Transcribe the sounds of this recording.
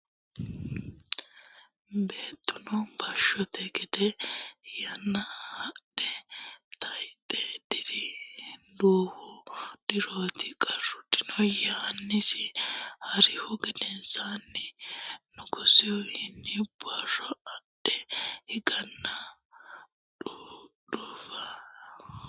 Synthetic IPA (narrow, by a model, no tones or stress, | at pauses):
be̞ːt̪ːʊnɔbɐʃːɔt̪ɛɡɛd̪ɛjɐnːɐhɐɗɛt̪ʰɐjt̪ʼɛd̪̥ɪdɪ | d̪uːhʊd̪̥ɪɾoːt̪ɪkʼɐrːʊd̪ɪnɔjɔhɐnːɪsɪhɐɾɪhʊɡɛd̪ɛnsanːɪnʊkʊsɪwʊhɪnːɪbʊɐrɔɐɗɛhɪɡɐnːɐ | ɗuːfɐ